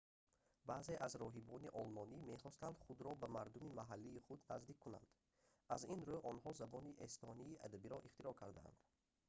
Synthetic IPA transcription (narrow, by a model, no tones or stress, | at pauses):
baze̞ʔazɾɔɦibɔniʔɔlmɔnimeχɔst̪and̪χud̪ɾɔbamaɾd̪umimaɦalːiːχud̪nazd̪ikʰːuna̰nd̪̥ | ʔazinɾoʔɔnhɔzabɔniʔest̪ʰɔniːʔad̪abiɾɔʔiχt̪iɾɔkʰaɾd̪a̰a̰nd̪̥